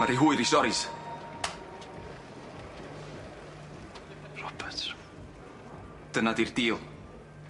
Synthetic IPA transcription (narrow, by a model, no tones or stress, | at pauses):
aɾiɦuɨɾisɔɾɪs | rɔbɛtʰ | d̥ənadirdiːlˠ